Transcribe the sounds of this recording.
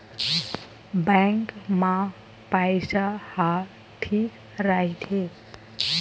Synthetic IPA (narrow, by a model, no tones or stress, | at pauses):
bɛŋkma | pajsaha | ʈʰi | ɾaɦit̪ʰe